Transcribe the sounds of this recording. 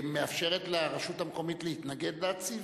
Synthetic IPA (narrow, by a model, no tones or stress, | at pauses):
me̞afʃe̞ʁet̪laʁaʃutamko̞mit̪leit̪naɡe̞d̪leat͡siv